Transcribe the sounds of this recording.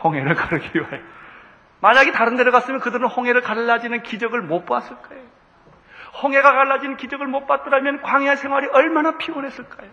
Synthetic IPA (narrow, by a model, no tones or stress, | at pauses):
hoŋɦe̞ɾɯɭkaɾɯɡiajo | maɲaɡetaɾɯndeɾʌɣas͈ɯmjʌnkɯdɯɾɯnhoŋɦe̞ɾɯɭkaɭːad͡ʑinɯnkid͡ʑʌɡɯɭmop͈as͈ɯɭk͈aeo | hoŋɦe̞ɡakaɭːad͡ʑinɯnkid͡ʑʌɡɯɭmot̚p͈at̚t͈ɯɾamjʌnkwaŋɦeesʰe̞ŋwaɾiʌɭmanapʰionɦe̞s͈ɯɭk͈ajo